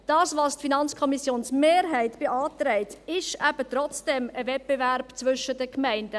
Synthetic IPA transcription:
d̥ɑːsvɑstfinɑnt͡skʰɔmisjoːnsmeːɾɦæɪtb̥eʔɑːtɾɛɪtɪʃæb̥ətrɔt͡sd̥ɛməvɛt̚b̥evæɾbt͡svʏʃədəkmæɪndə

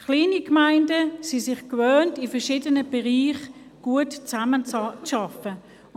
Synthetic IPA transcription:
χliːnikmaɪndəsisɪχkvøːntifɛɐʃiːdənəb̥ɛʁiːχ | ɡ̥uətt͡saməʃɑfə

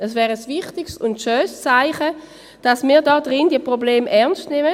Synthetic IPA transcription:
ɛsvɛːʁəsvɪχtɪksʊntʃøːst͡saɪχə | d̥asmiːdɔːdʁɪndiəpʁobleːmʔɛɐnstnɛmə

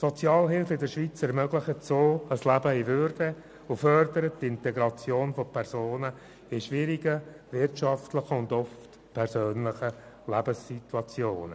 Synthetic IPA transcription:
sɔt͡sjɑːlɦɪlflɪdəʃʋit͡sɛɾmœɡlɪχətsoːəslæbəɪvʏɾd̥ə | ʊfœɾdəɾəttɪntɛɡɾɑt͡sjoːnfɔpʰɛɾsoːnə | ɪʃʋɪɾiɡə | vɪrtʃɑftləχəʊndɔft | pʰɛɾsøːnlɪχə | læbəsituɑt͡sjoːnə̰

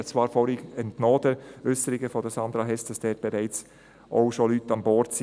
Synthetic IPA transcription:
t͡svɑːɾfɔɾiɡɛntnoːd̥əɾʏsəɾɪɡəfɔdəsɑnd̪ɾɑɦɛsd̥ɑsd̥ɛːɾb̥ɛɾɛɪt͡s | ʔoʊʃolytɑmbɔɾts

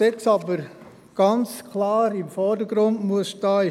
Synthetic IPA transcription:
ɛksɑbəɾ | ɡ̥ɑnt͡skʰlɑːɾɪmfɔɾdəɡ̥ɾʊndmuəsʃtɑːɪ

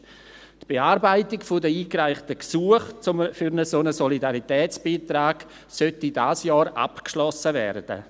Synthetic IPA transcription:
tb̥eaːɾbaɪtikfʊdəiːkraɪχtəksuəχt͡sʊmfyɾnəsonəsɔlidaɾitɛːt͡sb̥iːtɾaːɡ | sœtidaːsjɔːɾa̰pkʃlɔsəvɛ̰rd̥ə̰

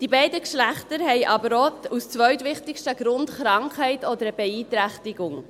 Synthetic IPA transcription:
d̥ibɛɪdəkʃlæχtəɾhɛɪʔɑbəɾoust͡sʋœɥtʋɪχtɪkʃtəɡɾʊndχɾɑŋkhɛɪtɔd̪əɾəb̥ɛiːt̪ɾæχtɪɡʊŋ

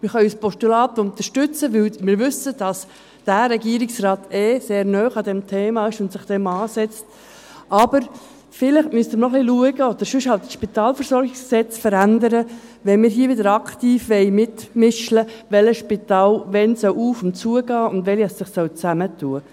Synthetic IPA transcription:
mɪɾχɑyspɔʃtulɑːt̪ʊnt̪əʃtʏt͡səʋɪlmɪːɾʋʏsəd̥ɑs | d̥æɾɛɡiəɾɪksrɑːtʰɛseːɾnœːχɑd̪ɛmtʰeːmɑːɪʃʊntsɪχd̥ɛmɑːsɛt͡st | ʔɑb̥əɾ | fɪlɪχtmyst̪əmənɔχliluəɡəod̪̥əɾʃʉʃhɑltʃpit̪ɑːlfəɾsɔɾɡɪksksɛt͡sfəɾændəɾə | ʋɛnmɪːɾɦiːəʋɪdəɾɑkt̪iːfʋɛɪmɪtmɪʃləʋɛləʃpitɑːlʋɛnsœwuːfʊnt͡suəɡɑːʊndʋɛliɛssɪχsœwt͡sæmətʰuːə

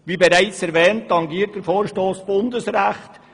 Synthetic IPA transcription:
ʋibɛɾaɪt͡sɛɾvɛːntːɑŋɡiːt̚d̥əɾfoːɾʃtoːsb̥ʊndəsɾæχt

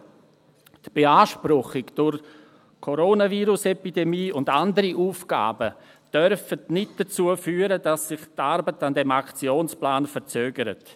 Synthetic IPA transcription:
tb̥eaːʃpɾʊχɪɡd̥ʊɾ | kʰoɾoːnaviːɾʊsɛpidemiːʊndandəɾiʔuːfɡ̥a̰ːbə | d̥œɾfətnɪt̚d̥at͡suːəfyːəɾədasɪχtaɾbətandɛmakt͡sjoːnsplaːnfəɾt͡søːɡəɾə̰t

